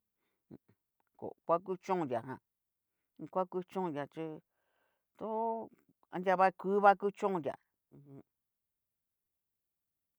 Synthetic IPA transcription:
ko̰˨kʷa˦k̬u˦t͡ʃõ˦˧˨jʲa˨ɦã̰˨˧ | kʷa˦ku˧˦t͡ʃõ˦˧˨ja˨t͡ʃi˧ | t̪o˦ | ã̰˧ndʲa˧βa˦kʷu˦βa˦ku˦t͡ʃõ˦˧jʲã̰˨˧ | hũ˧

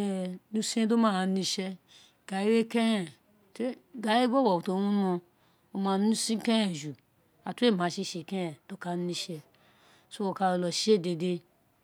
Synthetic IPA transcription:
nu˧˦sĩ˦do˦mã˦˨nĩ˧ʃɛ˧ | ɡ̥a˨i˦ɾe˦kɛ˦ɾɛ̃˨ | te˦ɡa˨˦e˦bo˦wɔ˨u˨to˧˨˦nũ˦nõ˧ | o˧mã˧nũ˦sĩ˦kɛ˦ɾɛ̃˨ʒu˨ | a˨tu˦e˦˨mã˨ʃi˧ʃe˨kɛ˦ɛ˨do˦ka˧˨˦nĩ˧ʃɛ˧ | so˦o˨˧ka˧o˧˨lɔ˨ʃe˦˨de˧de˧

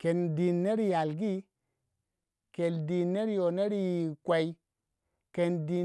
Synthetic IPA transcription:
ke˨ndi˨nːe˦ɾi˦˨ja˨lɡi˦ | ke˨ldi˨nːe˦ɾjo˨ne˦ɾi˦˨kʷa˨i˦ | ke˨ndi˨

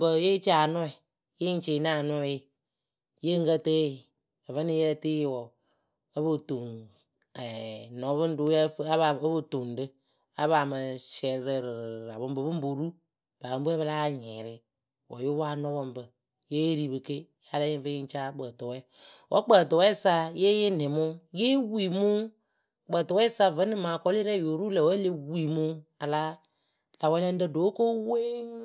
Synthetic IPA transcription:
bə˨˦je˦t͡ʃa˨nɔ˦ɛ˨ | je˦n˦t͡ʃe˨˦n˦a˦˨nɔ˦jɪ˦ | je˦ŋɡə˦tə˦˨ | ə˨və˦ni˦jɛ˦˨te˦jwɔ˨ | ə˦bo˦to˨ŋ | ɛ˨nɔ˨˦βɨ˦n˦dʊ˦ja˦fβa˨ə˦bo˦to˨ndɨ˦ | a˦βa˨mə˧ʃɛ˨˦ɾə˨ɾɾɾa˨bɨ˦m˦bə˨bɨ˦m˦bo˨ɾu˦ | ba˨bə˨m˦bu˦ɛ˦βə˧la˦˨ɲɛ˨ɾɪ˦ | wɔ̰˨jʊ˦wa˦nɔ˦bɔ˧mbɨ˨ | je˦ɾi˨bɨ˧ke˦ja˨˦la˦ɪ˦n˦və˦ji˦n˦t͡ʃaː˦k͡pə˨tɔ˨wɛ˦˨wʔɔ̰˦k͡pə˨tɔ˨wɛ˦sa˧je˦jɪ˦nɪ˨mʊ˦je˦wi˨mu˦ | k͡pəː˨tɔ˨wɛ˦sa˧və˨˦nɨ˦maː˨kɔ˦li˦ɾɛ˦˨jo˨ɾu˦lɛ˨wɛ˦le˦wi˨mu˦a˨la˦ | la˨wɛ˦lɛ˦n˦dɨ˦do˨˦ko˦we˦

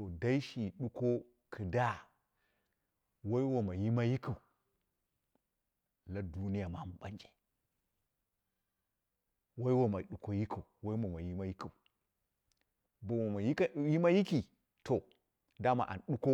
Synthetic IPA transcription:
o˨da˦i˦ʃi˨ɗu˦ko˦ | kʰɨ˨da˦ | wa˦i˦wo˨ma˨ji˦ma˦ji˦kʰu˨ | la˦du˦ni˦ja˨ma˦mu˨ɓa̰˨˦nd͡ʒe̥˨ | wa˦i˦wa˨ma˨ɗu˨ko˦ji˦kʰu˨wa˦i˦ma˨ma˨ji˦ma˦ji˦ki˨ | ba˨a˨ma˨jji˦ma˦ji˦ki˨ | to˨ | da˦ma̰˨ʔa̰˨nɗu˦ko˦

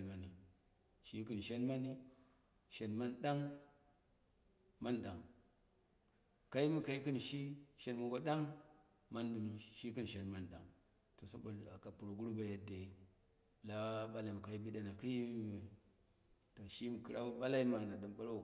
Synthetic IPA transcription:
ma˨ni˨ | ʃi˦kɨ˦n˨ʃe˦nma˦ni˦ | ʃe˨nma˦nda˦ŋ | ma˦nɗa˨ŋ | ka˦i˦mi˦ka˨i˦kɨ˦n˨ʃi˦ʃe˨nmu˨ɡo˦ɗa˦ŋ | ma˦ndu˨mu˨ʃi˦kɨ˦n˨ʃe˨nma˨nɗa̰˨ŋ | to˨so˦bo˨la˨ka˨pu˨ɾo˨ɡu˦ɾu˦ba˨je˨de˨ | la˦ɓa˦la˨mu˨ka˨i˦bi˦da˦na˨ki˦ji˦˨ | ta˨ʃi˦m˨ki˨ɾa˦u˦ba˦la˦i˦ma˨na˨ɗa˨mba˦l

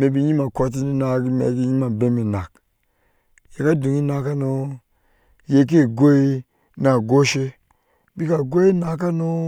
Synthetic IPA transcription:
me˨bi˨ɲi˦ma˨ko˨t̬i˦ni˦na˨ɡi˦mḛ˨ki˦ɲi˦ma˨be˦me˨na˨k | je˨ka˦du˨ŋi˦na˨ka˦no˦ | je˨k̬e˦˨ɡo˦i˦ | na˨ɡo˦ʃe˦ | bi˦ka˨ɡo˦i˦na˨k̬a˦no˦

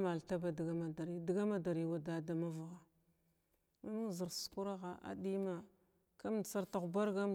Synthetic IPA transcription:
ma˨lta˦ba˨di˨ɡa˦ma˨da˨ɾi˦di˨ɡa˦ma˦da˨ɾi˨wa˨da˨˦da˨ma˦va˨ɣa˨ | ma˨mu˦˨zi˨ɾsu̥˨ku˦ɾa˦ɣa˨ʔa̰˨di˦ma˨ | ka˦m˨t͡sa˦ɾta˨ba˦ɾɡa˦m

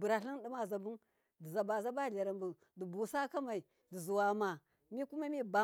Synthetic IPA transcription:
bu˨ɾa˨ɬi˦n˦di˦ma˦˨za˨bu˦ | di˨za˨ba˨za˦ba˦˨ɮa˨ɾa˨mbu˨ | di˨bu˨sa˦ka˦ma˨i˨ | di˨zu˨wa˨ma˨ | mi˦ku˦ma˦mi˦ba˨

